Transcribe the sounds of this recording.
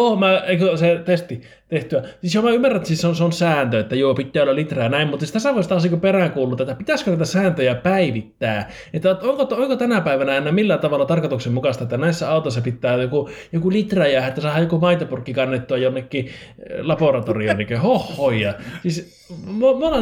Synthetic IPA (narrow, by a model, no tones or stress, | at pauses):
oːmæekøset̪est̪i | t̪eht̪yæsisjomæymːærænsisseonseonsæːnt̪øet̪ːæjuːpit̪ʲːæːolːɑlit̪ræjɑnæˑimmut̪ːsist̪æsæʋoˑest̪ɑsikoperæŋkuːlːut̪et̪ːæpit̪æskønæit̪æsæːnt̪øjæpæiʋit̪ːæː | et̪ːæoŋkooŋkot̪ænæpæˑiʋænæenːæmilːæt̪ɑʋɑlːˑɑt̪ɑrkot̪uksemmukɑst̪ɑet̪ːænæisːæɑˑut̪oˑisːɑpit̪ːæːjokujokulit̪ræjæːhet̪ːæsɑˑːhɑjokumɑit̪ɑpurkːikɑnːet̪ːuɑjonːekːi | lɑporɑt̪orionikøhohːoiɑsis | momonɑ